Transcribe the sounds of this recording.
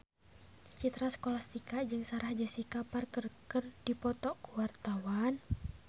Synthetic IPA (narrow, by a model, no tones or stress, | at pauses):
t͡ʃit̪ɾaskɔlast̪ikad͡ʒɨŋsaɾahd͡ʒasikaparkərkərdipɔt̪ɔkuwart̪awan